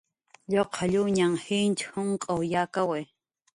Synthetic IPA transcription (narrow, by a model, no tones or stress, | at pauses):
ʎoqʰaʎuɲaŋhint͡ʃhʊŋkʼowjakawe